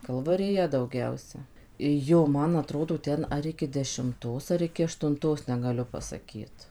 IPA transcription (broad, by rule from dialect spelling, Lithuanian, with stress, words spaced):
kɐlˠʋɐrʲɪˈjɛ dɐʊˈɡʲɛʊsʲɛ ˈjoː ˈmɐn ɐˈtroːdoː ˈtʲɛn ɐr ˈɪkʲɪ dʲɛʃʲɪmˈtoːs ɐr ˈɪkʲɪ ɐʃtʊnˈtoːs nʲɛɡɐˈlʲʊ pɐsɐˈkʲiːt